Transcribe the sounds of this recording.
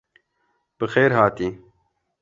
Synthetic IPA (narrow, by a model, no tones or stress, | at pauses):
b̥ɨxeːɾɦɑːt̪iː